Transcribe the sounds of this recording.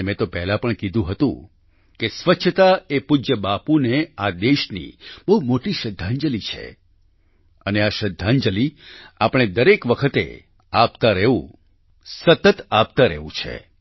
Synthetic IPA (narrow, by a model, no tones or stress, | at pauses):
mɛ̃t̪opɛɦlapəɳkid̪ʱũɦət̪ṵ̃ | kesʋəʃʰət̪aepud͡ʒəbapunead̪eʃnḭbəɦumoʈiʃəd̪ʱːaɲd͡ʒəlit͡ʃʰḛ | əneaʃəd̪ʱːand͡ʒəliapɽ̃ed̪əɾekʋəkʰət̪ḛ | apt̪aɾeũ | sət̪ət̪apt̪aɾḛũt͡ʃʰḛ